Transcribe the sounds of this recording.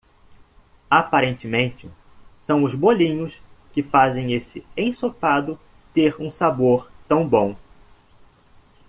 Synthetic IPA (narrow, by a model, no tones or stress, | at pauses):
apaɾẽnt͡ʃɪmẽnt͡ʃɪ | sɐ̃w̃ʊzbolĩɲʊskɪfazẽj̃esɪẽj̃sopad̪ʊ | t̪eɾũsaboɾt̪ɐ̃w̃bõw̃